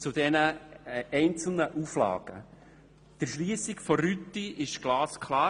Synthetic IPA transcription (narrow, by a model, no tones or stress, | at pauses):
t͡sud̥ɛnəɛɪnt͡sl̩nəʔuflɑ̰ːɡ̥ə̰ | d̥əɾʃliːsɪkfɔrytːiʔɪʃɡ̥lɑːskʰlɑː